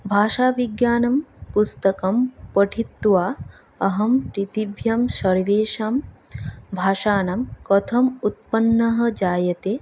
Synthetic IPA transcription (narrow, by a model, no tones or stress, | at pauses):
bʱaːʃaːʋiɡjaːnɐmpust̪ɐkɐmpɐʈʰit̪ːʋaː | ɐɦɐmpɾit̪ibʱjɐmʃɐɾiʋeːʃaːm | bʱaːʃaːnɐmkɐt̪ʰɐmut̪̚pɐnːɐɦɐ̆d͡ʒaːjɐt̪eː